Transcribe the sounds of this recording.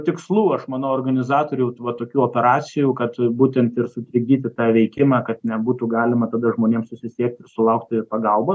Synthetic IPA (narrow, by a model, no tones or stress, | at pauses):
t̪ʲɪkslˠuːɐʃmɑːnoːrɡɐnʲɪzɑːt̪oːɾʲʊʋɐt̪oːkʲuːoːpʲɛɾɑːt͡s̪ʲɪjuːkɐt̪buːt̪ʲɛnt̪ɪɾsʊt̪ʲɾʲɪɡʲiːt̪ʲɪt̪ɑːʋʲɛɪkʲɪmɑːkɐt̪nʲɛbuːt̪uːɡɑːlʲɪmɐt̪ɐːd̪ɐʒmoːnʲeːmsʊsʲɪsʲiɛk̚t̪ɪsʊlˠɐʊk̚t̪ʲɪpɐɡɐlˠboː